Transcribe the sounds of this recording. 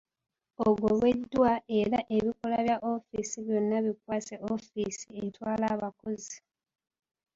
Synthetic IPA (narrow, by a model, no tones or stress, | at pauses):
oɡoβwe̞dːwae̞ɾaʔe̞βiko̞laβjaʔo̞fisiβjo̞nːaβikwaːseʔofisientwaːlaβakozi